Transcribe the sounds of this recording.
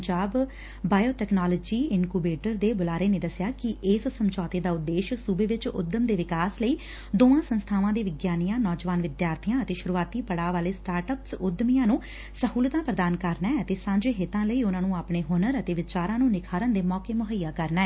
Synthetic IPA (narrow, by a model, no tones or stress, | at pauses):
d͡ʒaːbː | aːjoːʈɛːknaːləd͡ʒiːɪnkuːbeːʈəɾd̪eːbʊlaːɾeːneːd̪əsjaːkɪʔɪːssəmt͡ʃɔːt̪eːd̪aːʊd̪ːeːʃsuːbeːʋɪt͡ʃʊ̰d̪əmd̪eːʋɪkaːsləiː | d̪oːãːsənst̪ʰaːʋãːd̪eːʋɪɡjaːnijãːnɔːd͡ʒəʋaːnʋɪd̪jaːɾt̪ʰijãːət̪eːʃʊɾuːaːt̪iːpəɽaːʋaːleːsʈaːɾʈəpsʊd̪mijãːnũː | səhuːlt̪ãːpɾəd̪aːnkəɾnɛːɛət̪eːsãːɲd͡ʒeːɦɪt̪ãːləiːʊnãːnũːaːpneːɦoːnəɾət̪eːʋɪt͡ʃaːɾãːnũːnɪkʰaːɾə̃nd̪eːmɔːkeːmʊɦəjːaːkəɾnaːɛ